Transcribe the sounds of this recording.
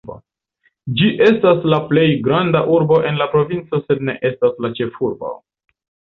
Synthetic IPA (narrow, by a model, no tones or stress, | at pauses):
o̰ | d͡ʒiʔe̞staslaple̞jɡɾandaʔuɾbo̞ʔe̞nlapɾo̞vint͡so̞se̞dne̞̰ʔe̞staslat͡ʃe̞fuɾbo̰